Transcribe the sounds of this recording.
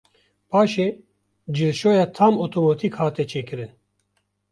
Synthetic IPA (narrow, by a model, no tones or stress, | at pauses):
paːʃeː | d͡ʒɨlʃoːjɑːt̪ʰaːmoːt̪ʰoːmot̪ʰikhaːt̪ɛt͡ʃʰeːkɨɾɨn